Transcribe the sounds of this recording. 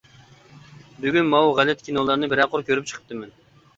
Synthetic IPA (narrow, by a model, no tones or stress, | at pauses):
byɡʲynmɑwʁælːɛt̪̚kʲʰinolˠɑɾnɨbɪɾæqʰʊɾkʲʰøɾyp̚t͡ʃʰə̥qʰə̥p̚t̪ɨmɛn